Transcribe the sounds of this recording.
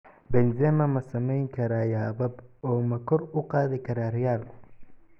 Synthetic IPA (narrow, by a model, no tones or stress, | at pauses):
bɛnzɛmɐmɐsɐmɛjŋkʰɐɾaːjaːβɐbɔːmɐkʰɔrʊqɑːðɪkʰɐɾaːrɛjaːlkʰʊ